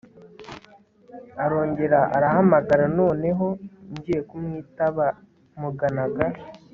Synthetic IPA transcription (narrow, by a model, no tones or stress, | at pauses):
aɾo̞ːɲɟe̞ɾaʔaɾaɦamaɡaɾano̞ːne̞ɦo̞ɲɟiːje̞kumŋiːtaβa | muɡanaɡa